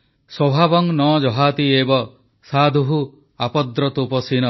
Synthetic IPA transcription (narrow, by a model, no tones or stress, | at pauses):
swɔbʱabɔŋnɔd͡ʒɔɦat̪iebɔ | sad̪ʱuɦu | apɔd̪ɾɔt̪upɔsinɔ